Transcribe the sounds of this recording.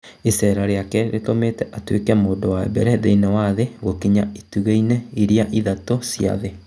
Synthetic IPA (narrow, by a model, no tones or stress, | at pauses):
esɛɾaɾeakɛɾʔḛtomeːtɛʔatwekɛmoːdowaɛ̰bɛɾɛðeinɛwaðeɣokiɲaetuɣeinɛiɾiaʔiðatosja̰ðe